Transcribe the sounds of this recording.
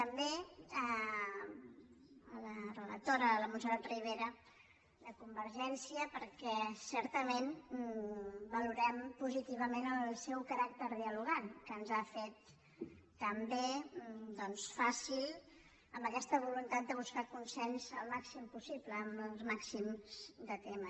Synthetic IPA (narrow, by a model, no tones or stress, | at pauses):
t̪əmbeə | ələrələ̰k̚t̪oɾələmunsəɾat̪riβ̞eɾə | ləkumbəɾʒɛnsiəpəɾkɛsɛɾt̪əmen | bəluɾɛmpuzit̪iβ̞əmenəlˠsɛwkəɾak̚t̪əɾðiəluɣ̞ankənzafet̪ː | əmbed̪ɔnsfasilˠ | əmbəkɛst̪əβ̞ulunt̪at̪̚d̪əβ̞uskakunsɛnzəlˠmaksimpusipləːməlˠmaksimz̥d̪ət̪emə